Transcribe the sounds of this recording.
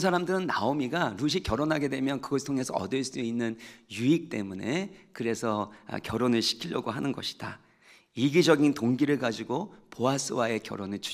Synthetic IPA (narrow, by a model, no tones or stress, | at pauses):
sʰaɾamdɯɾɯnːa̰omiɡaɾuɕ̬ʰikjʌɾonɦaɡe̞dwe̞mjʌnkɯɡʌsʰtʰoŋe̞sʰʌʌ̰dɯɭs͈uinːɯnjuik̚t͈e̞̰mune̞kɯɾe̞sʰʌ̰kjʌɾonɯɭɕʰi̥kʰiʎjʌɡoɦanɯnɡʌɕʰi̥d̥a̰ | iɡid͡ʑʌɡintoŋɡiɾɯɭɡad͡ʑiɡopoas͈ʰɯwae̞kjʌ̰ɾonɯɭt͡ɕʰu